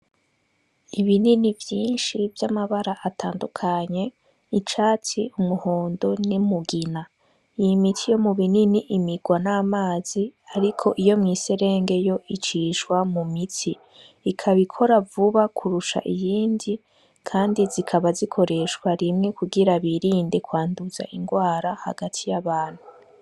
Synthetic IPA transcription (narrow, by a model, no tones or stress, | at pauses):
iβininivjiːnʃivjamaβaɾaʔatʰaːndukʰaɲe̞ | it͡ʃaːt͡siumuhoːndonimuɡina | ijimitʰijo̞muβininiʔimiɡwanaːmaːz̥iaɾikʰo̞ʔijo̞mŋise̞ɾe̞ːŋɡe̞jo̞it͡ʃiʃwamumitʰiː | kʰaβikʰo̞ɾavuβakʰuɾuʃa̰ʔijiːndi | kʰaːndizikʰaβazikʰo̞ɾe̞ʃkwaɾimŋe̞kuɡiɾaβiɾiːnde̞kwaːnduz̥a̰ʔiŋɡwaːɾaha̰ɡatʰijaβaːn̥hu